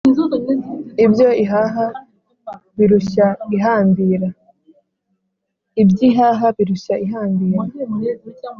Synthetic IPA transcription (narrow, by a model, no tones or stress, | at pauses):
ibjo̞iɦaɦa | βiɾuʃaiɦaːmbiɾa | ibjiːɦaːɦaβiɾuʃaiɦaːmbiːɾa